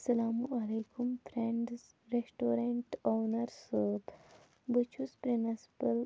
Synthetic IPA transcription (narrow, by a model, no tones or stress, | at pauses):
sɐlaːmuɐlekumpʰɾẽɳɖz | ɾesʈoːɾeɳʈoːnɐɾsot̪ʰ | but͡ʃʰuspɾinɐspəl